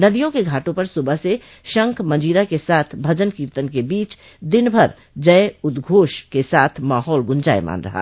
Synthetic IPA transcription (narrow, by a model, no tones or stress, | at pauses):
nɐd̪ijõkeɡʱaːʈõpɐɾsʊbəse | ʃɐ̃ŋkʰmɐ̃nd͡ʒiːɾakesaːt̪ʰbʱɐd͡ʒənkiɾt̪ənkebiːt͡ʃ | d̪ɪnbʱəɾ | d͡ʒɐeʊd̪ɡʱoːʃkesaːt̪ʰmaːɦɔːlɡʊ̃nd͡ʒaːema̰ːnɾɐ̰ɦa̰ː